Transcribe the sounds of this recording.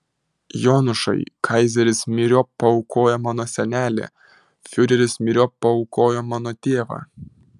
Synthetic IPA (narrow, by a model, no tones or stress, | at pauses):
joːnʊʃɐ̰ɪkʰɐɪzʲɛɾʲɪsmʲɪɾʲoːpːɐɔʊkoːjɛmɑːnoːsʲɛnʲæːlʲḛː | fʲʊɾʲɛɾʲɪsmʲɪɾʲoːpːɐɔʊkoːjomɑːnoːt̪ʲeːʋɑ̰ː